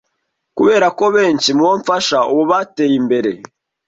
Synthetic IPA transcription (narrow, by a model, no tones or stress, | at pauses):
kuβe̞ːɾako̞βeːɲt͡ʃimuwoɱfaʃaʔuβoβate̞ːjimbe̞ɾe̞